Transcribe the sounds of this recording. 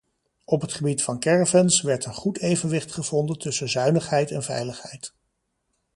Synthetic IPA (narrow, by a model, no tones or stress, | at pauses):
ɔpɦətχəbitfɑnkɛɹvənsʋɛɹtənχutejvənʋɪχtχəv̥ɔndəntɵsənzœɥnəχɦɛjtɛnvɛ̰jləχɦɛjt